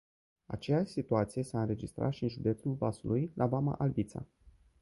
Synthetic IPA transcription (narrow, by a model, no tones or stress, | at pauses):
a̰t͡ʃejaʃʲsit̪uat̪sije̞saɨnɾe̞d͡ʒist̪ɾa̰ʃiɨnʒud̪e̞t̪sulvasulujlʔabama̰ʔalvit̪sa̰